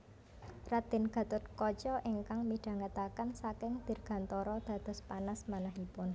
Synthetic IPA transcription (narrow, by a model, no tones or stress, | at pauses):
rad̪ɪ̤nɡ̥a̤t̪ʊt̪̚kɔt͡ʃɔʔiŋkaŋmiɖ̥a̤ŋət̪akansakɪŋd̪̥e̤rɡ̥a̤nt̪ɔɾɔd̪̥ä̤d̪̥ɔ̤spanasmanaɦipʊn